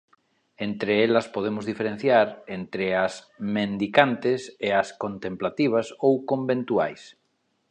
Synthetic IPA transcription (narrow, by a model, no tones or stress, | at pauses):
ent̪ɾeelɐspoð̞emʊzðifeɾẽn̟θjaɾent̪ɾeas | mẽnd̪ikant̪eseaskõnt̪ẽmplat̪iβ̞asowkõmbẽnt̪uajs